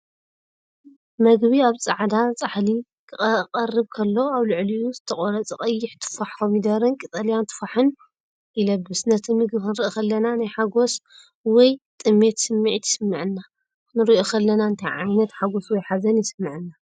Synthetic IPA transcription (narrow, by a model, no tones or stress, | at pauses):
mɐɡβiaβt͡sʼaʕd̪at͡sʼaħli | kʰɨχʼqʼɐrːɨβkʰɐlːo̞aβlɨʕliuzɨt̪ʰɐχʼoɾɐt͡sʼɨχʼɐjːɪħt̪ʰɨ̥faħkʰomid̪ɐɾɨnkʼit̪ʼaljant̪ʰɨ̥faħɨn | ʔilɐbɨsnɐt̪ʰɨmɨɡbhɨnɨɾiʔokʰɐlːɐnanajħaɡo̞s | wɔjt̪ʼɨmːe̞t̪sɨmːɨʕit̪ʰɪ̥sɨmːɨʕɨnːa | nɨɾiʔokʰɐlːɐnaɨnt̪ʰɐjʕa̰jnɐt̪ħaɡo̞swɔjħazɐnjɪsɨmːɨʕɨnːa